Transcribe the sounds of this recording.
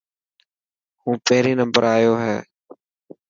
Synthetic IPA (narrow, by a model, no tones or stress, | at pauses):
hũːpəɦɾiːnəmbəɾʔaːjoːɦɛː